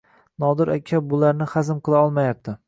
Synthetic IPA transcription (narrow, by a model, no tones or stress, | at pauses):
nɒd̪ɪɾakʲʰːabʊlaɾnɪχazɪmqɨlˠaɒlˠmajap̚t̪ʰɪ